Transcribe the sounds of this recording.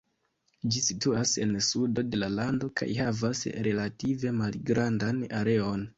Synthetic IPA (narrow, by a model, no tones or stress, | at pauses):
d͡ʒisituase̞nsudo̞de̞lalando̞kʰa̰jhavasɾe̞lative̞malɡɾandanaɾe̞o̞n